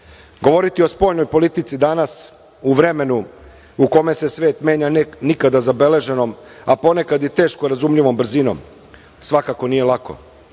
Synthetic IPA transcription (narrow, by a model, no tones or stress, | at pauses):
ɡo̞ʋo̞ɾit̪io̞spo̞ːjnojpo̞lit̪it̪sid̪anas | uʋɾe̞me̞nu | uko̞me̞se̞sʋe̞ːt̪me̞ːɲanikad̪azabe̞le̞ʒe̞no̞mapo̞ne̞kad̪jet̪e̞ːʃko̞ɾazumʎiʋo̞mbr̩zino̞̰m | sʋakako̞nije̞lˠako̞̰